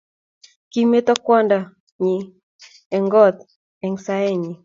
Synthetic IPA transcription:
ki˦me˦t̪ɔ˦kwɔ˦nda˨ | ɲi˨ | ɛ˨ŋɡɔ˦t̪ | ɛ˨ŋsa˦ɛ˦ɲi˨

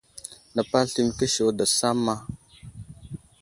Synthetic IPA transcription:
na˨pa˦lɬi˨m˨kə˦ʃo˨wda˨sa˦mːa˦

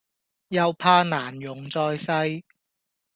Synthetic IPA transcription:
jɐ˧wpʰaː˧naː˨˩njʊ˨˩ŋt͡sɔː˧jsɐ˧j

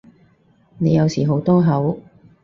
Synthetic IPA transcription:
ne˨˧jɐ˨˧wsiː˨˩ɦo˨˥wt̪ɔː˥ɦɐ˨˥w

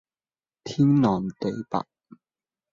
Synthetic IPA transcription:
t̪ʰi˦˥ŋnɔː˨˩nt̪e˨˩jpa̰˨ʔ̚

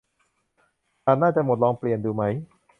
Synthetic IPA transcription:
kaː˨˧˩naː˥˩t͡ɕa˨˩mo˨˩t̪̚lɔː˧ŋpli˨˩ənduː˧ma˦˥j

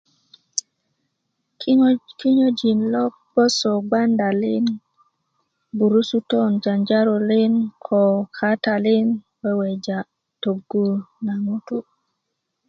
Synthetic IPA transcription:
ki˦ɲo˦d͡ʒi˨nlɔ˦k̚b̥ɔ˦sɔ˨ɡ͡ba˦nda˨lɪ˦n | bu˨ɾu˦su˦tɔ˦nd͡ʒa˨nd͡ʒa˦ɾɔ˨lɪ˦nkʰɔ˨kʰa˦ta˨lɪ˦n | wɛ˦wɛ˨d͡ʒa˨ | to˨ɡu˨na˨ŋo˦tu˦

